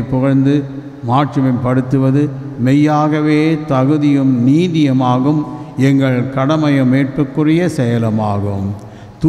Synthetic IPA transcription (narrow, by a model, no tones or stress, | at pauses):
pːɔɣɐɻnd̪ɯ | maːʈrɐmɐmpɐɽɯt̪ːɯʋɐðɯ | mɛjːaːɣɐʋeːt̪ɐɣɯðɪjɯmniːðɪjɐmaːɣɯmɛŋɡɐɭkɐɽɐmɐjɐmeːʈrɯkːɯrɪjɐsɛjɐlɐmaːɣɯ̰m | t̪u